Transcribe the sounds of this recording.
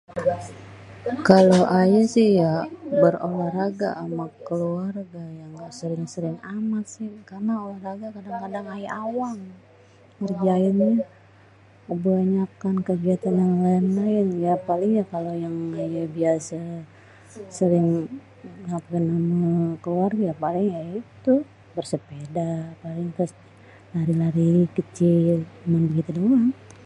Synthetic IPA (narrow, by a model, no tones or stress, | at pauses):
kaloʔajasɪhjabərolahraɡa̰ʔːmakːəluarɡajaŋɡaʔsəɾɪŋsəɾɪŋamat̪̚sɪhkarnaolahraɡakadaŋkadaŋajaʔawaŋ | kərd͡ʒaɪnɲa | abəaɲap̚kankəɡiat̪anjaŋlainlaɪnjapalɪŋjakalojaŋajabiasa | səɾɪŋ | napɡanamakəluarɡajapalɪŋjajit̪u | bərsəpedapalɪŋt̪ɾʊs | laɾilaɾikət͡ʃilmanbəɡit̪uduan